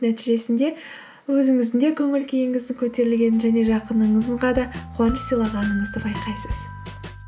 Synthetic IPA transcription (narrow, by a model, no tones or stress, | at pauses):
næt̪iʒe̞sɪnd̪e̞ | wɵzɪŋɪzɪnd̪e̞kʲʰɵŋɪlkʲʰejɪŋɪzd̪ɪŋkʲʰɵt̪e̞ɾɪlɡʲe̞nɪnʒæne̞ʒɑqənəɴəzəɴʁɑd̪ɑqʰʊɑnʃə̥sijlˠɑʁɑnəɴəzd̪əbɑjqɑjsəz̥